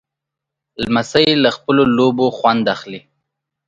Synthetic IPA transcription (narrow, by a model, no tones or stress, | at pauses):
lmasajeləxpəloloboxwand̪axli